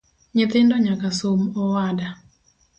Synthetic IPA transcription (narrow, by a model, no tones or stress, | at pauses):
ɲɪt̪ɪndɔɲakasomɔwada